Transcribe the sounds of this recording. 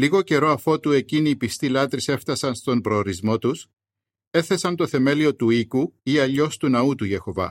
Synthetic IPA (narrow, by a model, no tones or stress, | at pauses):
liɣo̞ce̞ɾo̞ɐfo̞t̪ue̞ciniːpist̪ilɐt̪ɾise̞ft̪ɐsɐnst̪o̞mbɾo̞ːɾizmo̞t̪us | e̞θe̞sɐnt̪o̞θe̞me̞lio̞t̪uikuiɐʎo̞st̪unɐut̪uʝe̞xo̞vɐ̰